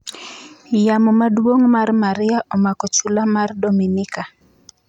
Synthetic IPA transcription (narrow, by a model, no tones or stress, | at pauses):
jamɔmadwoŋmarmaɾɪaʔɔmakɔt͡ʃulamardominɪka